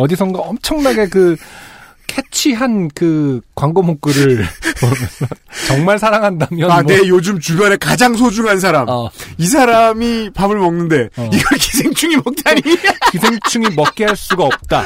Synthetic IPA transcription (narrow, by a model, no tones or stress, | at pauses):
ʌdis̬ʰʌŋɡaʌmt͡ɕʰʌŋnaɡe̞kɯ | kʰet͡ɕʰiɦankɯkwaŋɡomok̚k͈ɯɾɯɭomnʌt͡ɕʌŋmaɭsʰaɾaŋɦandamjʌane̞jod͡ʑɯmt͡ɕubjʌne̞kad͡ʑaŋsʰod͡ʑuŋɦans̬ʰaɾamis̬ʰaɾamipamɯɭmʌŋnɯnde̞iɡʌɭki̥sʰeŋt͡ɕʰuŋimʌk̚t͈aɲikisʰeŋt͡ɕʰuŋimʌk̚k͈eɦaɭs͈uɡaʌp̚t͈a